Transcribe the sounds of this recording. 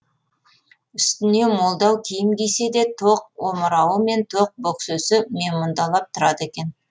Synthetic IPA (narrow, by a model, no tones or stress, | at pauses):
ʏst̪ɪne̞mo̞lˠd̪ɑwkʲʰijɪmkʲejse̞d̪e̞t̪ʰoq̚woməɾɑwəme̞nt̪ʰoq̚boksøsɪme̞mond̪ɑlˠɑp̚t̪ʰʊɾɑd̪əekʲe̞n